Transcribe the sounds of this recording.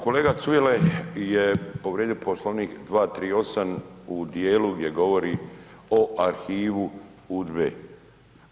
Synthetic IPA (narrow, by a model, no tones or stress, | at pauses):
ko̞leːɡat̪sujelejepo̞ʋɾeːd̪ioposloʋniːkd̪ʋaːt̪ɾiːo̞samud̪jeːluɡd̪ʲje̞ɡo̞ʋo̞ɾi | o̞ʔaɾxiːʋu | udbḛː